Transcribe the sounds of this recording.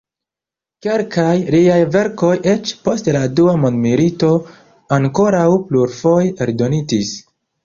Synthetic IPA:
ke̞lkajliajve̞ɾko̞jʔe̞t͡ʃpo̞stladuamondmilito̞ | aŋko̞ɾawpluɾfo̞jeɾdo̞nitis

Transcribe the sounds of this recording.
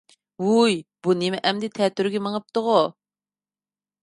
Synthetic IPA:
ujbunemɪʔɛmd̪ɪt̪ʰɛt̪yɾɡʲɛməŋəp̚t̪əʁʊ

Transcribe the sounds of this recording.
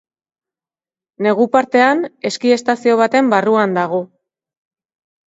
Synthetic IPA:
ne̞ɣ̞upaɾt̪e̞ane̞skie̞st̪asio̞β̞at̪e̞mbaruand̪aɣ̞o̞

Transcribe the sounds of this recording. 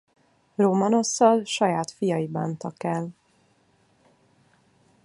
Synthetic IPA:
romɒno̞sːɒlʃɒjaːt̪fijɒjiba̰ːnt̪ɒkɛl

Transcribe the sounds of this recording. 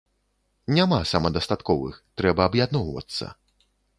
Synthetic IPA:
nʲamasamɐd̪ɐst̪at̪kɔvɨ̰xt̪ɾɛbɐːbjad̪nɔwvɐ̰t̪sːɐ̰

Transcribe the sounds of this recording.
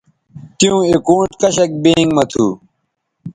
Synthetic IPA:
t̪ijũːekõːʈkɐɕɐk̚beːŋɡmɐt̪ʰuː

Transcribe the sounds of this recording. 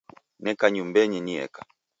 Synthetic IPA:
nɛkaɲumbɛɲɛniɛ̰kḁ

